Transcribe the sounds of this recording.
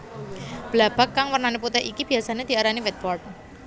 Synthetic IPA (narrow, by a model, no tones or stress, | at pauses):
b̥lab̥a̤kːaŋwərnaneput̪ɛhikib̥iasaned̪̥i̤aɾaniwɛt̪̚bɔrt̪̚